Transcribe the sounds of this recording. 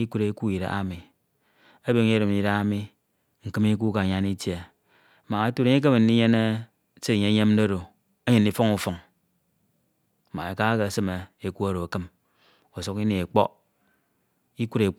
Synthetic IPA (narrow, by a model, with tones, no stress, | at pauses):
i˦ku˦ɾe˨˦ku˦˨i˨ɾa̰˨a̰˦mi˨ | a˦be˨ŋ˦ɾi˨m˨i˨ɾa˨˦a˦mi˦ | ŋ̩˨kɨ˦mi˦k̬u˦ka˨ɲa˦ni˦tje˨˦ | ma˨a˦tu˦ɾe˨ɲe˦k̬e˦me˨n˦i˦ɲe˦ne˦ | se˦˨ɲe˨˦ɲe˦m˦o˦ɾo˨ | a˦ɲe˨nː˨i˨fo˦ŋu˨fo˨ŋ˦ | ma˨e˨ka˦ke˨sɨ˦me˨e˨ku˦a˦ɾo˨a˨kɨ˦m | o˨so˦ki˦ni˨e˨k͡po̰˦ | i˦ku˦ɾe˨